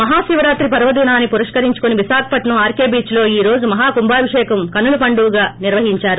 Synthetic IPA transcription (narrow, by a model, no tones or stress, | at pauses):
mɐɦaːʃiːʋɾaːt̪ɾipɐɾɐʋɐd̪iːnaːnːipuɾiʂkɐɾiɲt͡ʃu̥koniʋisaːkʰɐ̥pɐʈnɐmaːɾkeːbiːt͡ʃlo̞ːiːɾo̞ːd͡ʒumɐɦaːkumbaːɾiʂɛːkɐmkɐnːulupɐɳɖuːɡaːniɾʋɐɦiɲt͡ʃaːɾu